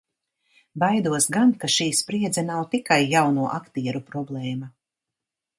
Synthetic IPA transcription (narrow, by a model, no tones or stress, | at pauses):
bajd̪uɔsɡankaʃiːspɾiɛd̪zanawt̪ikajːawnuɔʔakt̪iɛɾupɾɔblˠɛːma